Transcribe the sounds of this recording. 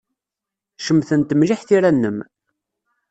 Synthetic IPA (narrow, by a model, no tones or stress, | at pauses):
ʃəmθənt̪əmliħθiɾænːəm